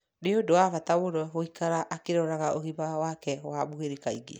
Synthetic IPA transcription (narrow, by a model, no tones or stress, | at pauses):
neodowafataoɾɔoikaɾaʔakeɾɔɾaɣaʔoɣibawakɛwabuɣeɾikaiɡḛ